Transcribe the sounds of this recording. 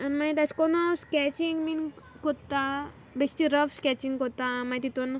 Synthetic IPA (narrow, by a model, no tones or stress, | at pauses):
nmait̪at͡skonoskʲɛt͡ɕiŋɡmin | kot̪ːa | besʈ̪iɾəfskʲɛt͡ɕiŋɡkot̪amajt̪it̪on